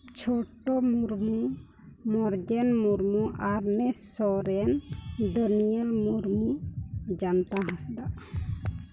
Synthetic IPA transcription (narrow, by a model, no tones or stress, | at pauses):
t͡ʃʰoʈɔmuɾmu | mɔɾd͡ʒɛnmuɾmuʔaɾnɛsɔɾɛnd̪ənijəlmuɾmud͡ʒant̪aɦãsd̪a